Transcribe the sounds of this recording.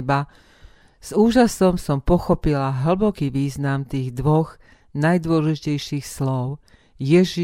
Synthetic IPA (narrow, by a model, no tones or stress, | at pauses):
ba | z̥uːʒasɔmsɔmpɔxɔpilaɦl̩bɔkiːʋiːznamt̪iːɣd̪ʋɔɣ | najd̪ʊɔlɛʒicɛjʃiːxslɔʊ | jɛʒi